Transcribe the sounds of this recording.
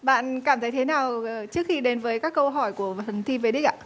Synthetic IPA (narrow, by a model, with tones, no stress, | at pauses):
ɓa̰ː˧˨nkaː˧˩mt̪ʰə˨˦jt̪ʰnaː˨˩wt͡ɕɨ˦˥ək̚xi˧ɗe˨˦nvəː˨˦jkaː˦˥kːə˧wɦɔ˧˩jku˧˩əvʰə˨˩nt̪ʰi˧ve˧ɗi˦˥k̚ʔa̰ː˧˨˩